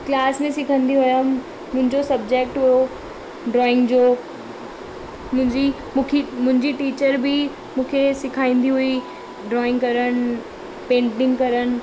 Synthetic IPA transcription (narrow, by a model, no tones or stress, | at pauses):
klaːsmẽsɪkʰə̃nd̪iɦʊja | mʊ̃ɦɪ̃ɲd͡ʑosɐbd͡ʑek̚ʈɦʊjo | ɖɾɔːɪ̃ŋɡd͡ʑoː | mʊ̃ɦɪ̃ɲd͡ʑi | mũːkʰimʊ̃ɦɪ̃ɲd͡ʑiʈiːt͡ɕəɾbʱɪ | mũːkʰesɪkʰaːĩːn̆d̪iɦui | ɖɾɔːɪ̃ŋɡkɐɾəñ | pẽːɳʈɪ̃ŋɡkɐɾən̆